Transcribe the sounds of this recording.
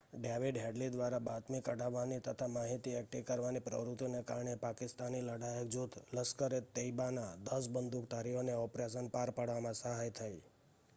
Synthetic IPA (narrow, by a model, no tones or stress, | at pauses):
ɖeʋiɖɦeɖlid̪ʋaɾabat̪mikəɽaʋːanit̪ət̪ʰamaɦit̪iɛk̚ʈiʋkəɾʋanipɾə̰ʋɾut̪joneka̰ɾɳepakɪst̪aniləɽajək̚d͡ʒut̪ʰləskəɾet̪eibanad̪əs̬bənd̪ʱukt̪aɾiɦoneɔpɾesənpaɾpaɽʋamãsəɦajt̪ʰaj